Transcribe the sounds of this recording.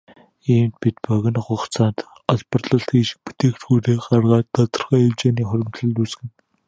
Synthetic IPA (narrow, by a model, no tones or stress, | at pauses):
iːmt̪̚pit̪̚pœɣʲɪ̆nɢʊχt͡sʰaːnt̪ | ɔɮpɞ̆rɮə̆ɬt̪ɡiːʃɪ̥̆k̚pu̥t̪eːkt̪ɡuːɾeːɢarʁaːt̪ːɔt̪ɞ̆rχaːiwt͡ɕeːniːχʊɾʲɪ̆mt̪ɮɵ̆ɮuːsɡɘ̆n